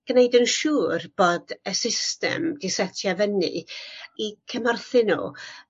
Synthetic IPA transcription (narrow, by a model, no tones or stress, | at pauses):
ɡ̥nejdənʃuːrb̥oːdəsɪstɛ̰mdisɛtʰjavənɨ̰ikʰəmarθɨnṵ